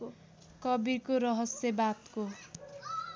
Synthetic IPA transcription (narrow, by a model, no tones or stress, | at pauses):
kʌbikoɾʌɦʌsjebat̪ko